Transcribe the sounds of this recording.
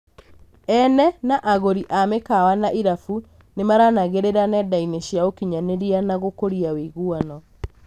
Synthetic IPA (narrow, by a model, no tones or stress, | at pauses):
ɛnɛnaʔaɣoɾiʔamekawanaʔiɾafu | nemaɾanaɣeɾeɾanɛdaineɕjaokiɲaneɾianaɣokoɾiawiɣuɔnɔ